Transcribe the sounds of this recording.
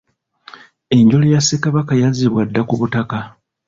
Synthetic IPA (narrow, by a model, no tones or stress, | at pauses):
e̞ɲɟo̞lejasekaβakajaziβwadːakuβutaka